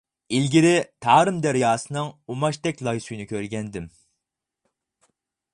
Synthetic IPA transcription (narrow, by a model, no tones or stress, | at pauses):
ilɡʲiɾɪt̪ʰɑːɾɨmd̪æɾjɑːsɨnɨŋumɑʃt̪ɛkʲlˠɑjsujnɨkʲʰøɾɡʲɛnd̪ɪm